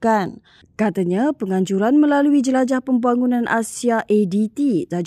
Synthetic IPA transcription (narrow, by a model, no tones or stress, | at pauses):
kan | kat̪aɲãpəŋaɲd͡ʒuɾanmə̃laluid͡ʒəlad͡ʒahpəmbaŋunãnʔa̰siaʔedit̪id͡ʒa